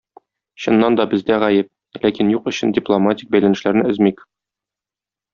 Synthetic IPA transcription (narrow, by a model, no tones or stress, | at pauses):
ɕɤ̆nːɑnd̪ɒbɘ̆zd̪æʁæjɘp̚ | lækinjuqɵ̆ɕɘndʲɪplˠomatʲɪk̚bæjlænɘ̆ʃlæɾnɘɘ̆zmik